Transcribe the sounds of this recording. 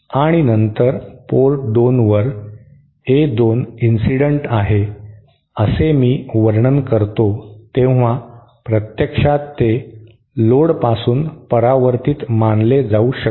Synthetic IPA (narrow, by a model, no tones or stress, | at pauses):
aɽ̃inənt̪əɾpoɾʈ̚d̪onʋəɾ | ed̪oninsiɽəɳʈaɦe | əsemiːʋəɾɳənkəɾt̪ot̪ẽʋ̤a | pɾət̪jəkʂat̪ːe | loɽpasuːnpəɾaʋəɾt̪iːt̪manled͡zauɕə